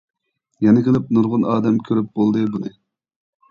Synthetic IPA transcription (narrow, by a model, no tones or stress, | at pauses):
jɛnɪkʲʰəlˠɪp̚nuɾʁʊnɑːd̪ɛmkʲʰøɾyp̚bolˠd̪ɨbunɨ